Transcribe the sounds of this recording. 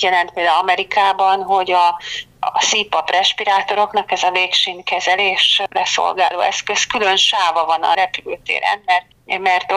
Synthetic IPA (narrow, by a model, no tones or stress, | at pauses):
jɛlɛnt̪̚peːld̪aːulɒmɛɾikaːbɒnɦo̞ɟɒ | sipɒprʔɛʃpiɾaːt̪o̞ɾo̞knɒkɛzɒveːkʃinkɛzɛleːʃrɛso̰lɡaːloːɛskø̞skylønʃaːvɒvɒnɒ̰ɾɛpylyːt̪ḛːɾɛ̰nmɛrt̪mɛrt̪